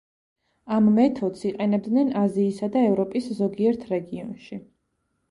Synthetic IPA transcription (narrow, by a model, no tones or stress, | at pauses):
amːɛt̪ʰɔd̪siqʼɛnɛb̚d̪nɛnaziːsad̪aɛvɾɔpʼiszɔɡiɛɾt̪ʰɾɛɡiɔnʃi